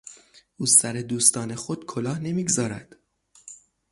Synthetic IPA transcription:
ʔuːsæɾe̞d̪uːst̪ɒːne̞xod̪̥kʰolɒːhne̞miːɡzɒːɾæd̪̥

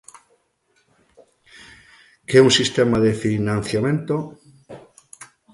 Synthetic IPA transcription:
kɛunsist̪emaðefinãn̟θjamẽnt̪o

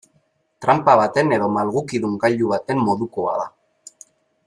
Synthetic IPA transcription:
t̪ɾampaβat̪e̞ne̞ðo̞malɣukiðuŋɡaʎuβ̞at̪e̞mːo̞ðuko̞a̰ða̰

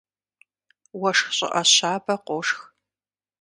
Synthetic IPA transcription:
wɐʂxɕʼɪ̰ʔɐɕaːbɐqʷʊʂx

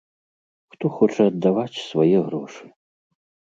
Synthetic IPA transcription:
xt̪ɔxɔt͡ʂɐɐd̪ːavat͡sʲsvajɛɣɾɔʂɨ̥

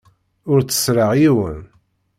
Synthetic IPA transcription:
ʊɾt͡sːə̥sɾəʁjiwə̰n

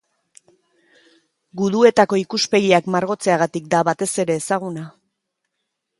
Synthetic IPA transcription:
ɡuðue̞t̪ako̞ikuspe̞ɣiakmaɾɣo̞t͡se̞aɣat̪ik̚d̪aβat̪e̞se̞ɾe̞ːsaɣ̞una

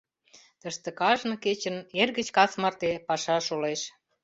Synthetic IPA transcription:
t̪əʃt̪ə̆kɑʒnɤ̆ket͡ɕə̆nːerɣə̆t͡ɕkɑsmɑrt̪epɑʃɑʃoleʃ

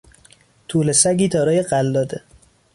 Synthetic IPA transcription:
t̪ʰuːlesæɡiːt̪ʰɒːɾɒːjeɢælːɒːd̪e

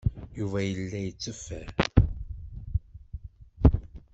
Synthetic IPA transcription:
juvæjəlːæjət͡sːəfːæ

